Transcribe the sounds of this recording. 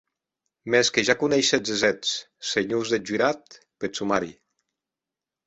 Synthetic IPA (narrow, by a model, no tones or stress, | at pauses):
meskeʒakunɛjʃezezɛt͡s | seɲuzðed͡ʒyɾat̪ | pesumaɾi